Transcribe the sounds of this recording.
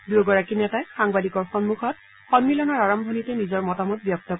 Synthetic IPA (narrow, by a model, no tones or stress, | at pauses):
duɡɔɹakinɛtaexaŋbadikɔɹxɔnmuxɔt̚ | xɔnmilɔnɔɹaɹɔmbʱɔnitɛnizɔɹmɔtamɔt̚bjɔk̚tɔ